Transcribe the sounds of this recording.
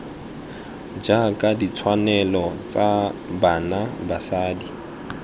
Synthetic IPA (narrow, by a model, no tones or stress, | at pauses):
d͡ʒakʼadit͡sʰwanɛlɔt͡sʼabanabasaːdi